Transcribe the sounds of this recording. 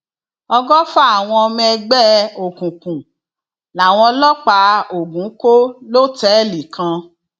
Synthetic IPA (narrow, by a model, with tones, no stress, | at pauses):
ɔ˧ɡɔ˦fa˦a˦˨w̃ɔ̃˧mĩ˧ɛ˧ɡ͡bɛ˦o˨kũ˨kũ˨ | la˨w̃ɔ̃˧˦lɔ˦k͡pa˨˦o˨ɡũ˨˦ko˦lo˦tɛ˨˦˨li˨kʰã˧